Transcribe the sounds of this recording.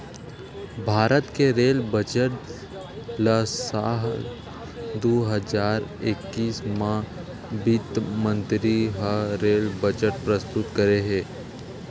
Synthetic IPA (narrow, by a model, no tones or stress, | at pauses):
bʱaːɾət̪keɾeːlbəd͡ʒəʈ | lasaːɦ | d̪oɦəzaːɾɪkːiːsmã | bit̪mə̃nt̪ɾiɦaɾeːlbəd͡ʒəʈ̚pɾəst̪ʊt̪kɐɾeɦɛ̃ː